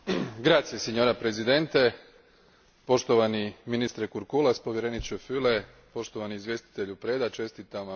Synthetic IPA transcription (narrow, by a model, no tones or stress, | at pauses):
ɡɾaːt̪sijeseɲo̞ːɾapɾezid̪e̞nt̪e | po̞ʃt̪o̞ʋaniminist̪ɾekuɾkulaspo̞ʋje̞ɾenit͡ʃufyle | po̞ʃt̪oʋaniːzvʋje̞st̪i̥t̪e̞ʎupɾe̞d̪at͡ʃe̞st̪it̪ama